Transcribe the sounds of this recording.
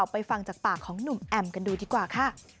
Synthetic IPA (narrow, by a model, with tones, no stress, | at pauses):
a˨˩wpa˧jfa˧ŋt͡ɕaː˨˩k̚paː˨˩kʰːɔː˩˦ŋnu˨˩mʔɛ˧mka˧nduː˧diː˧kwaː˨˩kʰa˥˩